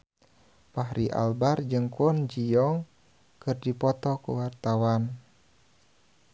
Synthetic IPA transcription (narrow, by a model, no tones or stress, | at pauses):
paɦɾʔiʔa̰lbard͡ʒɨŋkɔnd͡ʒijɔŋ | kɨrdipɔt̪ɔkṵwart̪awan